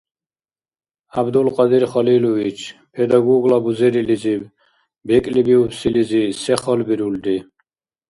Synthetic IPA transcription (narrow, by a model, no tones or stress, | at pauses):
abd̪ulqʼɑd̪iɾχɔliluvit͡ʃʰpʰɛd̪aɡɔɡlabuzɛɾilizi | bɛkʼlibiupsilizisɛχɔlbiɾuld̪i